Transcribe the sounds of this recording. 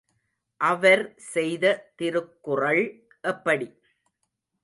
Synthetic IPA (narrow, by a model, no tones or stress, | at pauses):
ʔɐʋɐɾsɛjðɐt̪ɪɾɯkːɯrɐɭ | ʔɛpːɐɽi